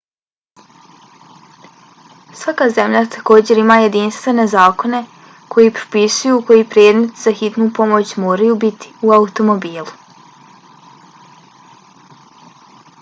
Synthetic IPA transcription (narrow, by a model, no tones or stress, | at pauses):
sʋakaze̞mʎat̪ʰḁko̞ːd͡ʑe̞ɾimaːje̞d̪inst̪ʋe̞ne̞zaːko̞ne̞ | kʰo̞jipɾo̥pisujuko̞jipɾeːd̪me̞t̪zaxit̪nupo̞mo̞t͡ɕmoːɾajubit̪i̥uaut̪o̞mo̞biːlˠu